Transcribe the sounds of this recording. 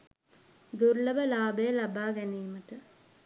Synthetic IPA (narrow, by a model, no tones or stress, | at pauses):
d̪urləʋəlaːbəjəlabaːɡæniːməʈə